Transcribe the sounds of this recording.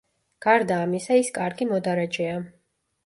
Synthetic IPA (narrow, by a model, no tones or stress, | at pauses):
ɡ̥aɾd̪aːmisaiskʼaɾɡimɔd̪aɾad͡ʒɛa